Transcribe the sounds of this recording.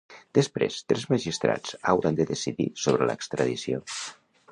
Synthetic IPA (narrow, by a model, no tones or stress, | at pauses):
d̪̥əspɾḛst̪ɾɛzməʒist̪ɾa̰t͡sawɾənd̪əðəsiðḭsoβɾələ̰kst̪ɾəðisio